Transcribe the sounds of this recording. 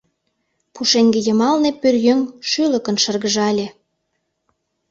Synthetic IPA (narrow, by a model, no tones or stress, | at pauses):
puʃeŋɡĕjə̆mɑlnepørjøŋʃylə̆kə̆nʃərɣəʒɑlʲĕ